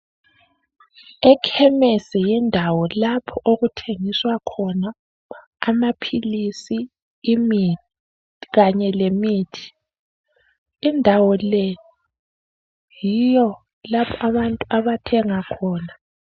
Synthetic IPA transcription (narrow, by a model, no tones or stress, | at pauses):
ɛkʰɛmɛsɛjindʱawɔlapʰɔʔoɣutʰeŋiswakʰɔnaː | mapʰilisiː | mi | ɣaɲɛlemiːtʰi̥ | indʱawɔle | jijɔ | lapʰɔaβantʼuʔaβatʰɛŋakʰɔːna